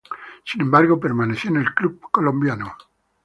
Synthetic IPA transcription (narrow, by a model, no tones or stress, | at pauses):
sinembaɾɣo̞p̬eɾmaneθjoenelklub̚kolõmbjano